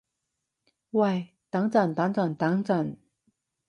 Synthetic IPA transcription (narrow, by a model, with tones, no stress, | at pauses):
wa˥˩ɪ | t̪a˧˥ŋt͡sa˥˨˩nt̪a˧˥ŋt͡sa˨˩ŋt̪a˧˥ŋt͡sa˥˨˩n